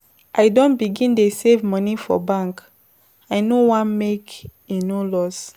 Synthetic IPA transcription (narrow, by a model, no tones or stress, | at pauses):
ʔaɪdõnbiɡĩndesevmɔnifɔ̰bãŋk | aɪnowãnmek | enolɔs